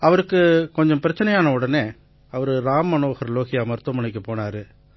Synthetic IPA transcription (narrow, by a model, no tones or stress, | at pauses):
ɐʋɐɾɯkːɯkɔɲd͡ʒɔ̃mpɪɾɐt͡ʃːɐnɛjaːnɐɯɽɐneː | ɐʋɐɾɯɾaːmːɐnoːɣɐɾloːɣɪjamɐɾt̪ɐmɐɳɪk̬ːɯpoːnaːɾɯ